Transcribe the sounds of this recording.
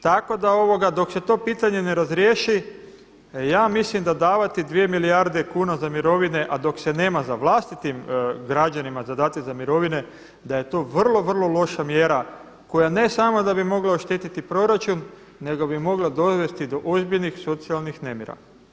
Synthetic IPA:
t̪ako̞d̪ao̞ʋo̞ɡad̪o̞kse̞t̪o̞ːpiːt̪aɲe̞ne̞ɾazɾjeːʃi | jaːmislimd̪ad̪aːʋat̪id̪ʋije̞milijaɾd̪e̞kuːnazamiɾo̞ʋine̞ʔad̪o̞kse̞ne̞ːmazaʋlˠast̪it̪imɡɾad͡ʑanimazad̪aːt̪ezamiɾo̞ʋine̞ | d̪aje̞t̪o̞ːʋr̩lo̞ʋr̩lˠo̞lo̞ʃamjeɾa | ko̞jane̞samo̞d̪abimo̞ɡlaoʃt̪et̪it̪ipɾo̞ɾat͡ʃunː | e̞ɡobimo̞ɡlˠad̪o̞ʋe̞st̪id̪o̞ʔozbiʎnixso̞t̪sialˠnixne̞mjeɾa̰

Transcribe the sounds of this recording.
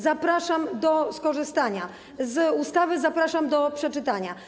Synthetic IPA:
zapɾaʂamd̪ɔskɔʐɘst̪aɲa | zust̪avɘzapɾaʂamd̪ɔpʂɛt͡ʂɘt̪aɲa

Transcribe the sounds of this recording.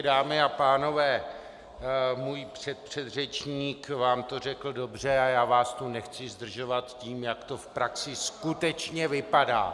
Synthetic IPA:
daːmɪapaːno̞vɛː | muːjpr̥ɛt̪̚pr̥ɛd̪rɛt͡ʃɲiːkvaːmt̪orɛkl̩do̞br̝ɛajaːvaːst̪onɛxt͡sɪzd̪r̩ʒo̞vat̪ciːmjakt̪o̞fpɾaksɪskut̪ɛt͡ʃɲɛvɪpada̰ː

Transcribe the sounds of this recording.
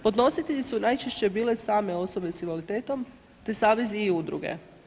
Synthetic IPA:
po̞d̪no̞sit̪eʎisunajt͡ʃeʃt͡ɕe̞biːle̞saːme̞o̞so̞be̞siʋalit̪eːt̪o̞m | t̪esaːʋe̞ziud̪ɾṵɡe̞̰

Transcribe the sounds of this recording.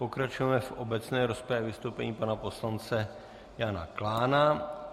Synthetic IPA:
po̞kɾat͡ʃujɛmɛfʔobɛt͡snɛːɾospɛɛvɪst̪owpɛɲiːpanapo̞slant͡sɛ | jana̰klaːna

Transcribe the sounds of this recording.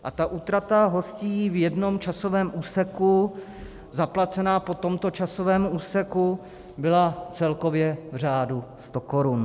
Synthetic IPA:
ʔat̪aʔuːt̪ɾat̪aɦo̞sciːvjɛdno̞mt͡ʃasovɛːmʔuːsɛku | zaplat͡sɛnaːpo̞t̪o̞mt̪o̞t͡ʃaso̞vɛːmuːsɛku | bɪlat͡sɛlko̞vjɛvr̝aːdust̪o̞ko̞ɾun

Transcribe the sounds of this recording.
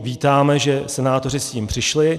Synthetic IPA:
viːt̪aːmɛʒɛsɛnaːt̪o̞r̝ɪsciːmpr̥ɪʃlɪ

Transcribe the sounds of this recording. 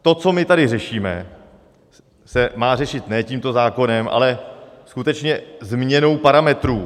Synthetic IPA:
t̪o̞t͡so̞mɪt̪adɪrɛʃiːmɛ̰ | sɛmaːr̝ɛʃɪt̪nɛːciːmt̪o̞zaːko̞nɛmʔa̰lɛskut̪ɛt͡ʃɲɛzmɲɛno̞wpaɾamɛt̪ɾuː

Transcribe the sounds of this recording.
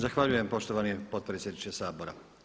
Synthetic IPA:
zaxʋaʎuje̞mpo̞ʃt̪oʋaːnipo̞d̪̚pɾetsje̞d̪nit͡ʃesaːbo̞ɾa̰

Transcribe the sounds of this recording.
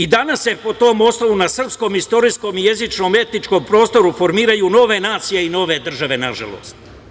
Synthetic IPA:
id̪anasjepo̞t̪o̞ːmo̞snoʋunasr̩psko̞ːmist̪o̞ɾisko̞mijezit͡ʃno̞me̞t̪nit͡ʂko̞mpɾo̞ːst̪o̞ɾufo̞ɾmiːɾajuno̞ʋe̞naːt̪sije̞ino̞ːʋe̞d̪r̩ʒaʋe̞naʒa̰lˠo̰ːst̪

